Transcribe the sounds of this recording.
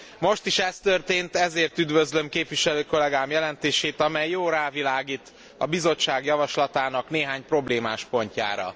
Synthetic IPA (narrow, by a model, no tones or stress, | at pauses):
mo̞ʃt̪iʃɛst̪ørt̪eːnt̪ɛzeːrt̪yd̪vø̞zlø̞mkeːpʋiʃɛløːko̞lɛɡaːmjɛlɛnt̪eːʃeːt̪ɒmɛjːoːɾaːvilaːɡiːt̪ | ɒ̰bizo̞t͡ʃːaːɡjɒvɒʃlɒt̪aːnɒkneːɦaːɲpro̞bleːmaːʃpo̞ɲca̰ːɾɒ̰